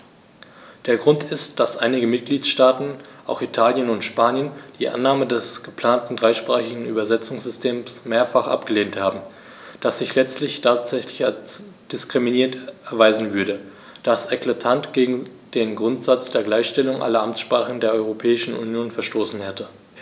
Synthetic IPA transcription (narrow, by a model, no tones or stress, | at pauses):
d̥eːɐɡʁʊntɪst̚d̥asʔaɪnɪɡəmɪt̚ɡ̥liːtʃtaːtn̩ʔaʊxitʰaːljənʊntʃpaːnjənd̥iːʔa̰nːaːmədɛsɡ̥əpl̥aːntn̩dʁaɪʃpʁ̥aːχɪɡŋ̩y̰ːbɐzɛt͡sʊŋsz̥ʏstʰeːmsmeːɐfaχʔa̰pɡ̥əleːnthaːbm̩ | d̥asz̥ɪçlɛt͡stlɪçtʰaːtz̥ɛçlɪças | d̥ɪskʁ̥iminiːɐtɛɐvaɪzn̩vʏɐɾə | d̥asɛklatʰantɡ̥eːɡŋ̩d̥eːnɡʁʊntz̥at͡sd̥eːɐɡlaɪçʃtɛlʊŋʔa̰lɐʔamt͡sʃpʁ̥aːχəndeːɐʔɔʏʁopʰɛːɪʃn̩ṵnjoːnfɛɐʃtoːsn̩hɛtə